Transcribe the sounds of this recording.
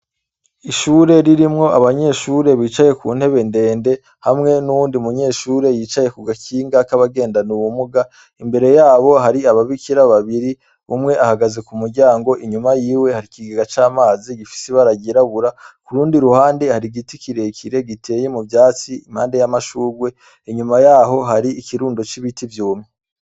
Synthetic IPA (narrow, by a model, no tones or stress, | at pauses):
iʃuːɾe̞ɾiɾimŋo̞aβaɲe̞ʃuːɾe̞βiːt͡ʃaje̞kuːn̥he̞βe̞nde̞ːnde̞ | hamŋe̞nuwuːndiumuɲe̞ːʃuːɾe̞jiːt͡ʃaje̞kuɡakiːŋɡakaβaɡe̞ːndanuwumuɡa | imbe̞ɾe̞jaːβo̞ɦaɾiaβaβikiɾaβaβiɾi | umŋe̞ʔahaɡaze̞kumuɾɟaːŋɡo̞ʔiɲumajiːwe̞haɾikiɡeɡat͡ʃaːmaːziɡifi̥seβaɾaɟiɾaβuɾakuɾuːndiɾuhaːnde̞haɾiɡitikiɾe̞kʰiɾe̞ɡitʰe̞je̞muvjaːt͡siimhaːnde̞jamaʃuːɾɡwe̞ | iɲumajaːɦo̞ɦaɾiikiɾuːndo̞t͡ʃiβitivjuːmi